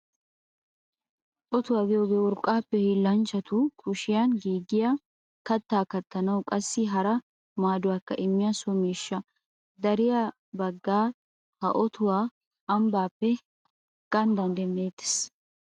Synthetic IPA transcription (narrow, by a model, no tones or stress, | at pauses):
ʔɔt̪ʊwaːɡɪjɔɡɛwɔɾkʼːaːpːɛhiːlːɐnt͡ʃːɐt̪ʊkʰʊʃɪjanɡiːɡɪja | kɐt̪ːaːkɐt̪ːɐnɐwkʼɐsːɪɦɐɾɐ | maːd̪ʊwaːkːɐ̰ʔɪmːɪjaːsɔmiːʃːɐ | d̪ɐɾɪja | bɐɡːaː | hɐ̰ʔɔt̪ʊwaː | ɐmbaːpːɛ | ɡ̥ɐnd̪ɐnd̪ɛmːeːt̪ːɪ̥s